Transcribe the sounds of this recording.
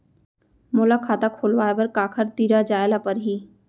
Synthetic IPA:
mʊlakʰaːt̪akʰoːlʋaːebɐɾkaːkʰəɾt̪iːɾad͡ʒaːɪlapɐɾɦiː

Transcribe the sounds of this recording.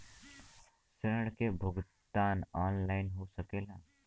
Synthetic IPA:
seɾəɽkebʱʊɡ | t̪aːnaːnlaːɪnɦosəkeːlaː

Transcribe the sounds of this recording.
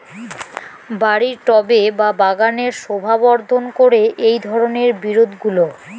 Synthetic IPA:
baɾiɾʈɔbebabaɡaneɾʃobʱabɔɾd̪ʱonkoɾeʔejd̪ʱɔɾoneɾbiɾod̪ʱɡulo

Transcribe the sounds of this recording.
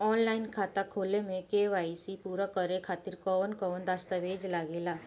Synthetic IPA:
ɔːnlaːɪnkʰaːt̪akʰoːlemẽkeʋaːisipuːɾakəɾekʰaːt̪iɾkɔʋənkɔʋənd̪ast̪əʋeːd͡ʒlaːɡeːlaː

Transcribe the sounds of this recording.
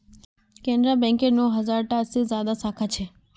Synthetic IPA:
kẽːnɖɾabɛ̃ːŋkenõɦɐzaːɾʈasizjaːd̪asaːkʰat͡ʃʰeː

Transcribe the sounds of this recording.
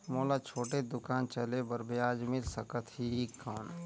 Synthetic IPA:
moːlat͡ʃʰoːʈed̪ʊkaːnt͡ʃəlebəɾbjaːd͡ʒmɪlsəkət̪ʰhikʰːɔːn

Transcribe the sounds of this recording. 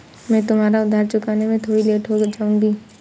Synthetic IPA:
mɛ̃ːt̪ʊmɦaːɾaʊd̪ʱaːɾt͡ʃʊkaːnemẽt̪ʰoːɽileːʈɦod͡ʒaːũŋɡiː

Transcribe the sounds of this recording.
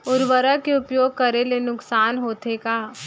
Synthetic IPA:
ʊɾʋəɾakeʊpjoːɡ̚kɐɾelenʊksaːnɦoːt̪ekaː

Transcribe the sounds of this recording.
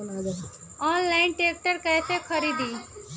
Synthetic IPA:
nad̪ɐɦ | ɔːnlaɪnʈeːk̚ʈəɾkɛːt̪ekʰəɾiːd̪iː

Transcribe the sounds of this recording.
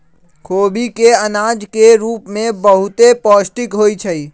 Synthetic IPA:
kʰoːbikeənaːd͡ʒkeɾuːpmẽbəɦʊt̪epɔːsʈɪkɦoːit͡ʃʰəi

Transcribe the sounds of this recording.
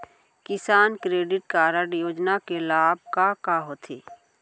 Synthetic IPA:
kɪsaːnkɾeːɖɪʈkaːɾəɽjoːd͡ʒnakelaːb̚ʱkakaɦoːt̪ʰeː

